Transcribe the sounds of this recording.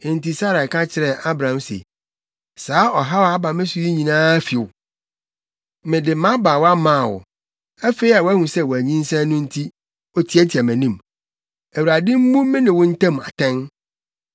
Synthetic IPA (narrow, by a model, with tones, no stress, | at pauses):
ɪ̃˨n̩˨ti˨sa˦ɾa˨kʰã˦t͡ɕʰɪ˨ɾɛ˨ʔa˦bɾã˨msḛ˨ | saː˨˦ɔ˨ɦa˦wa˦ba˨mɪ̃˦sʊ˨ji˦ɲĩ˨nãː˦fɪ˨ʊ˨ | mɪ̃˨dɪ˨mã˦ba˨wɔ˦a˦mã˦˨wɔ̰˨ | æ˦fe˦i˦a˨wɔ˨˦æ˦hũ˨sɛ˦wɔ˨æ˨ɲĩ˦n˦sɛ̃˦nʊ̃˦n̩˦tʰi˦ | ɔ˦tʰi˦æ˦tʰi˨a˨mæ̃˨nĩ˦m | æ˨wu˨ɾa˨dɪ̃˦m̩˦mũ˦mɪ̃˦nɪ̃˨wʊ̃˦n̩˦tʰã˦m˨a̰˨tʰɛ̃˦n